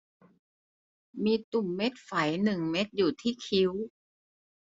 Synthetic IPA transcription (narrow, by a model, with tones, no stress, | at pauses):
miː˧t̪u˨˩mːe˦˥t̪̚fa˨˩˦jnɯ˨˩ŋme˦˥t̪̚juː˨˩t̪ʰiː˥˩kʰi˧˦˥w